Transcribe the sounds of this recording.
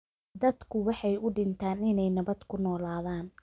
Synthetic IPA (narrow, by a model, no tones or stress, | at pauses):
d̪ɐd̪kʰʊwɑħɑjʊɖɪnt̪ʰaːnɪnɛjnɐβɐd̪kʰʊnɔːlaːðaːn